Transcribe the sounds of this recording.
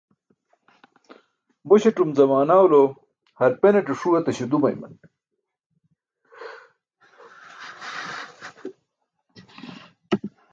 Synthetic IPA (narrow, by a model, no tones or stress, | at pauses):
boɕeʈumzɐmaːnaːwlo | hɐɾpeneʈeʂuwɐt̪ɐɕed̪umɐ̰jmɐ̰n